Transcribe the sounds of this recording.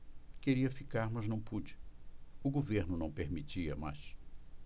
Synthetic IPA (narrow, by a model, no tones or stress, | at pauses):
keɾiɐfikaɾmɐznɐ̃w̃pud͡ʒɪʊɡoveɾnʊnɐ̃w̃peɾmit͡ʃiɐ̰ma̰s